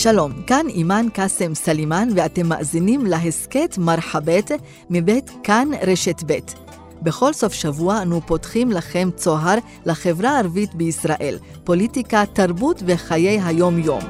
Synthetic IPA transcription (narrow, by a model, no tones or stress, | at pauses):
ʃalo̞mkanimankasemsalimanveate̞mːa̰ʔzinimlaɦesketmaʁħabet | mibe̞tkanʁeʃetbet | be̞χo̞lso̞fʃavuaːnupo̞tχimlaχe̞mt͡so̞ɦaʁ | laχe̞vʁaːʁvitbeisʁaʔe̞̰l | po̞litikataʁbutveχaje̞jɦajo̞mjo̞̰m